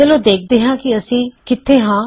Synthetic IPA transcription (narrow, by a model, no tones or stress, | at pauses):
əloːd̪eːk̚ʰd̪eːɦãːkiəsĩːkɪt̪ʰːeːɦãː